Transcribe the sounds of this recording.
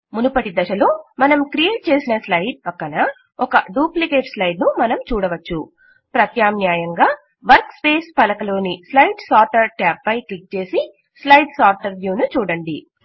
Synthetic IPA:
munupɐʈid̪ɐʃɐlo̞ːmɐnɐmkɾijeːʈ̚t͡ʃe̞ːsinɐslɐjɖ̚pɐkːɐnɐ | ɔkɐɖuːplikeːʈslɐjɖnumɐnɐmt͡ʃuːɽɐʋɐt͡ʃːu | pɾɐt̪jaːmnjaːjɐŋɡaː | ʋɐɾkspe̞ːspɐlɐkɐlo̞ːnislɐjɖsaːɾʈɐɾʈaːpːɐjklik̚t͡ʃe̞ːsi | slɐjɖsaːɾʈɐɾʋjuːnut͡ʃuːɽɐɳɖi

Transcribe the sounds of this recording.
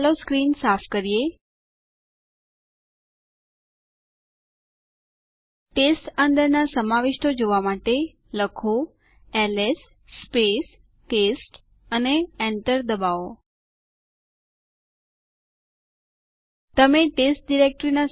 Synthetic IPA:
loskɾinsapʰkəɾije | ʈesʈənd̪əɾnasəmaʋeʃʈod͡ʒoʋamaʈe | ləkʰo | ɛles | spes | ʈesʈ | əneɛnʈəɾd̪əbao | t̪əmeʈesʈ̚ɖiɾek̚ʈɾina

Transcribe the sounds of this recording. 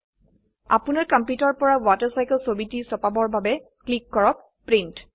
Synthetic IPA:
a̰punaɹkɔmpjutɔɹpɔɹawataɹsajkəlsobitisɔpabɔɹbabɛklikːɔɹɔk | pɹint

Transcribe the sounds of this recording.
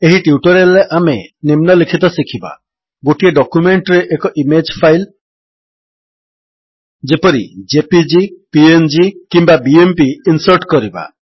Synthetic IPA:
eɦiʈiuʈɔɾeleʔamenimnɔlikʰit̪ɔsikʰiba̰ | ɡoʈieɖɔkumeɳʈɾeʔekɔʔimed͡ʒpʰajl | d͡ʒepɔɾḭd͡ʒepid͡ʒipiend͡ʒikimbabiempiinsɔɾʈkɔɾiba̰

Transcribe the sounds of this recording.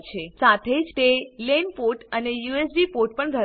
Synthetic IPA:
t͡ʃʰesat̪ʰed͡ʒt̪elenpoʈənejuesɖipoʈ̚pəɳɡʱə

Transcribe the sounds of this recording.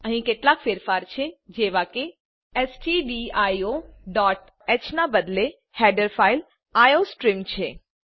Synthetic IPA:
əɦĩkeʈlakfeɾfaɾt͡ʃʰed͡ʒeʋake | ɛsʈiɖiajoɖɔʈ | ɛt͡ʃʰnabəd̪le | hɛɖəɾfail | ajosʈɾimt͡ʃʰe

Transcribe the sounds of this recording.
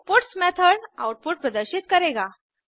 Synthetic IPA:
puʈsmɛt̪ʰəɽa̰wʈ̚puːʈ̚pɾəd̪əɾɕit̪̚kəɾeɡa

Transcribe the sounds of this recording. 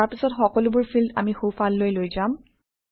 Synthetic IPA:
aɹpisɔtxɔkɔlʊbʊɹpʰilda̰mixopʰalːojlojzam

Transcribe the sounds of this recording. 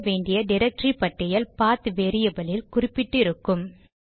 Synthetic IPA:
ʋeːɳɖɪjɐɖɪɾɐk̚ʈripɐʈːɐjɐlpaːt̪ɯʋeːɾɪjɐbɐlɪlkʊrɪpːɪʈːɪɾɯkːɯm

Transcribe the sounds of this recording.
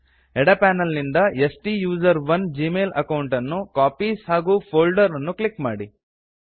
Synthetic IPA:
ɛɽɐpæːnɐlnind̪ɐesʈijuːzɐɾʋɐnd͡ʒiːmeːlɐkɐwuɳʈɐnːukaːpiːshaːɡuːpʰoːlɖɐɾɐnːuklikmaːɽi

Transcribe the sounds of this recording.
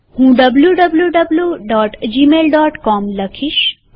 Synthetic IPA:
hũːɖəbljuɖəbljuɖəbljuɖɔːʈd͡ʒimeːlɖɔːʈkɔmləkʰiʃ

